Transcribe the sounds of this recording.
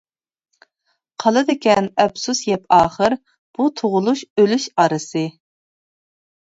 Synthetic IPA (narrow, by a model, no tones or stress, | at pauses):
qʰɑlˠɨd̪ɪkʲɛnɛbsusjɛpʰɑːχəɾ | b̥ut̪ʰoʁʊlˠuʃølyʃɑɾɨsɨ